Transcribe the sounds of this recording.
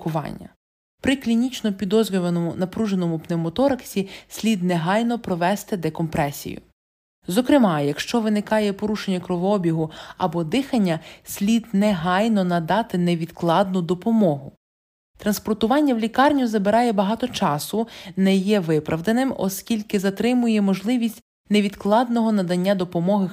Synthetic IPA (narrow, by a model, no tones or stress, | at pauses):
kʊʋɑ̰nʲːɐ̰ | pɾɪklʲinʲit͡ʃnɔpʲid̪ɔzʲɾʲʊʋɐnɔmʊnɐpɾuʒenɔmʊpnɛmɔt̪ɔɾɐksʲisʲlʲid̪nɛɦɑjn̪ɔpɾɔʋɛst̪ɪd̪ɛkɔmpɾɛsʲḭjʊ̰ | zɔkɾɪmɑjɐkʃt͡ʃɔʋɪnɪkɑjɛpɔɾuʃenʲːɐkɾɔʋɔbʲiɦʊɐbɔd̪ɪxɐnʲːɐsʲlʲid̪nɛɦɑjnɔnɐd̪ɑt̪ɪnɛʋʲid̪klˠɑd̪nʊd̪ɔpɔmɔɦʊ | t̪ɾɐnspɔrt̪ʊʋɑnʲːɐwlʲikɑrnʲuzɐbeɾɑjɛbɐɦɑt̪ɔt͡ʃɑsʊnɛjɛʋɪpɾɐʋd̪enɪmɔ̰skʲilʲkɪzɐt̪ɾɪmʊjɛmɔʒlˠɪʋʲisʲtʲ | neʋʲid̪klˠɑd̪nɔɦɔnɐd̪ɐnʲːad̪ɔpɔmɔɦɪ